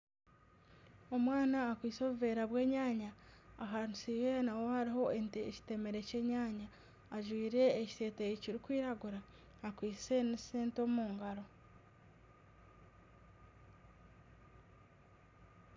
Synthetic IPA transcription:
o̞mwaːnaːkwiːso̞ːβuve̞ːɾaβwe̞ːɲaːɲaːɦanusiwenawo̞haɾiɦo̞ʔe̞nteeci̥te̞me̞ɾe̞ce̞ːɲaːɲaː | ʒwiːɾe̞ːcse̞ːtejiciɾikwiːɾaɡuɾaː | kwiːsse̞niseːnto̞muːŋɡaɾo̞

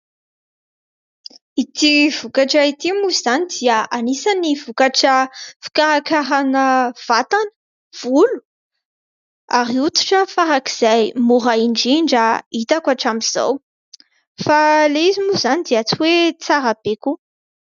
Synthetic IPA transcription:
it̪iv̥ukaʈ͡ʂəit̪imuz̥anid̪iəanisaniv̥ukaʈ͡ʂəfi̥kaɾakaɾanəv̥at̪anə̥ | v̥ulu̥ | aɾiut̪u̥ʈ͡ʂəfaɾaki̥z̥ajmuɾaiɳɖ͡ʐiɳɖ͡ʐait̪akaʈ͡ʂamiz̥a̰w | faleizimuzanid̪iat͡siwet͡saɾab̥eku

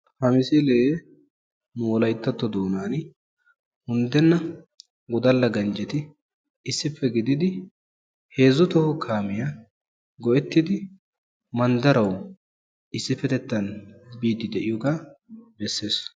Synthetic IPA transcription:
hɐmɪseleː | nʊwɔlɐjt̪ːɐt̪ːɔd̪oːnaːn | hʊnd̪ɛnːɐ | ɡɔd̪ɐlːɐɡɐnd͡ʒɛt̪ɪ | ɪsːɪpːɛɡɪd̪ɪd̪ɪ | he̞ːzʊt̪ɔhɔkʰaːmɪja | ɡɔʔɛt̪ːɪd̪ɪ | mɐnd̪ɐɾɐw | ɪsːɪfːɛt̪ɛt̪ːɐnbiːd̪ːɪd̪ɛʔɪjɔɡaːbɛsːe̞ːs

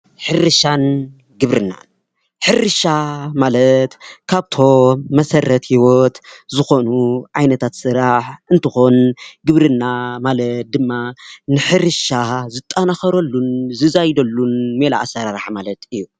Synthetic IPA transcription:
ħɨɾɨʃan | ɡɨβɾɨnːa̰n | ħɨrɨʃamalɐt̪kʰaβt̪ʰo̞mɐsɐrɐt̪hiwot̪zɨxo̞nuʕajnɐt̪ʰat̪sɨɾaħʔɨnt̪ʰɨxo̞nɡɨβɾɨnːamalɐt̪̚d̪ɨmːanɨħɨɾɨʃazɨt̪ʼːanaxɐɾɐlːunzɨzajd̪ɐlːunmela̰ʔa̰sɐɾaɾaħmalɐt̪ɨjːu

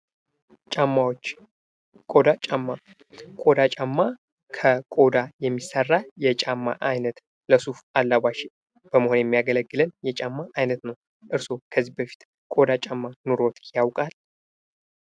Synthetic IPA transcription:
t͡ʃʼamːawot͡ʃː | kʼo̞d̪at͡ʃʼamːa | kʼo̞d̪at͡ʃʼamːa | kʰəkʼo̞d̪ajɛmːisːərːajɛt͡ʃʼamːa̰ʔajnət̪ | ləsufalːaβaʃ | b̥əməhonjɛmːijaɡələɡːɨlənjɛt͡ʃʼamːaʔajnət̪nəw | ʔɨɾso̞kʰəzːihbəfi̥t̪ | kʼo̞d̪at͡ʃʼamːanuɾo̞t̪jawkʼal

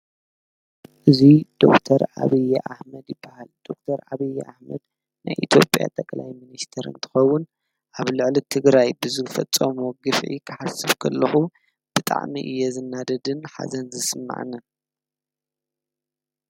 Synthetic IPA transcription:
ʔɨzid̪̥o̞̰kt̪ʰɐɾa̰βijːʔaħmɐd̪jɪbːahald̪̥o̞k̚t̪ʰɐɾa̰βɐjːʔaħmɐd̪ | na̰jʔit̪ʰjo̞̰pʼja̰t̪ʼɐkʼlajminist̪ʰɐɾɨ̰nt̪ʰɨ̥xɐwːʊn | ʔaβlɨʕlit̪ʰɨɡɾajbɨzɨfɐt͡sʼːɐmuɡɨfʕḭkʰɨħasɨβkʰɐlːɐxu | b̥ɨt̪ʼa̰ʕmḭʔɨjːɛzɨnːad̪ɐd̪ɨnħa̰zɐnzɨsɨmːa̰ʕa̰nːɐ

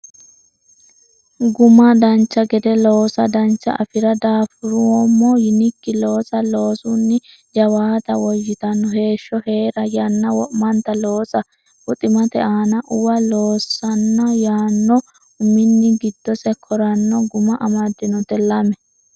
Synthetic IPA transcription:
ɡʊmɐd̪ɐnt͡ʃːɐɡɛd̪ɛloːsɐd̪ɐnt͡ʃːɐ̰ʔɐfɪɾɐd̪aːfʊɾʊwɔmːɔjɪnɪkːɪlo̞ːsɐlo̞ːsʊnːɪ | d͡ʒɐwaːt̪ɐwɔjːɪt̪ɐnːɔhe̞ːʃːɔhe̞ːɾɐjɐnːɐwɔʔmɐnt̪ɐloːsɐ | ʊt̪ʼɪmɐt̪ɛʔaːnɐʔʊwɐlo̞ːsːɐnːɐjaːnːɔ | ʊmɪnːɪɡɪd̪̥ːɔsɛkʰɔɾɐnːɔɡʊmɐʔɐmɐd̪ːɪnɔt̪ɛlɐmɛ

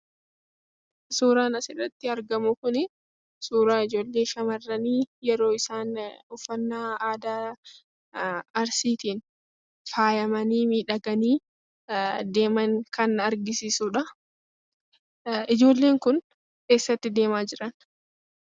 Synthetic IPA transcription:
suːɾaːnɐsɪrɐt̪ːɪɐɾɡɐmʊkʊnɪ | suːɾaːɪd͡ʒo̞ːlːe̞ːʃɐmɐrːɐniːjɛɾo̞ːɪsaːnʊfːɐnːaːaːd̪aː | ɐɾsiːt̪iːn | faːjɐmɐniːmiːᶑɐɡɐniː | d̪e̞ːmɐŋkɐnɐɾɡɪsiːsuːᶑɐ | ʔɪd͡ʒo̞ːlːe̞ːŋkʊn | ke̞ːsːɐt̪ːɪd̪e̞ːmaːd͡ʒɪɾɐn

